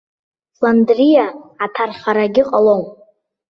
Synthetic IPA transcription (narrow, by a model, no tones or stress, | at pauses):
landrijaʕatʰarχaɾaɡʲɪqʼalon